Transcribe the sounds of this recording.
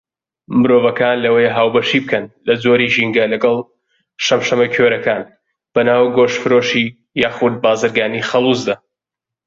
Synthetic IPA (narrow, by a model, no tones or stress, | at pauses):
mɨɾoːvɐkaːnlɐwejɦaːwbɐʃibɨkʰɐnlɐzoɾiʒiŋɡɐlɐɡɐlˠ | ʃɐmʃɐmɐkʰeɾɐkaːn | b̥ɐnaːwɡoʃfɨɾoʃi | jaːxud̪̚baːzɨɾɡaːniːxɐlˠuzd̪ɐ